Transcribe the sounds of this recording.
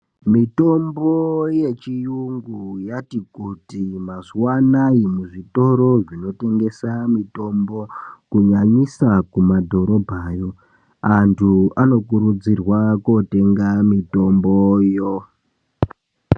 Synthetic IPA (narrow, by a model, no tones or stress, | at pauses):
mito̞mboje̞t͡ʃijuŋɡujatikutimaziwanaimuʐito̞ɾo̞ʐino̞te̞ŋɡe̞samito̞mbo̞kuɲaɲisakumadʱo̞ɾo̞bʱaːjo̞ | antʰuano̞kuɾud͡zirwako̞te̞ŋɡamito̞mbo̞jo